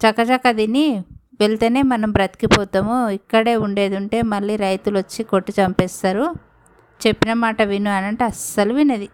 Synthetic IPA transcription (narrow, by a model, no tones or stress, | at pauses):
t͡ʃɐkːɐt͡ʃɐkːɐd̪ini | ʋe̞ɭt̪e̞ːne̞ːmɐnɐmbɾɐt̪kipɔːt̪ɐmuikːɐɽe̞ːuɳɖe̞ːd̪uɳʈe̞ːmɐɭːiːɾɐjt̪ulʋɐt͡ʃːikoʈːit͡ʃɐmpɛːst̪aːɾu | t͡ʃe̞pːinɐmaːʈɐʋinuɐnɐɳʈɐsːɐluʋinɐd̪i